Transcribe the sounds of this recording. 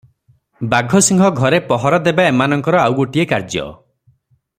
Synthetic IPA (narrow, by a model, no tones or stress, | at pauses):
baɡʱɔsiŋɡʱɔɡʱɔɾepɔɦɔɾɔd̪ebaemanɔŋkɔɾɔawɡoʈiekaɾd͡ʒjɔ̰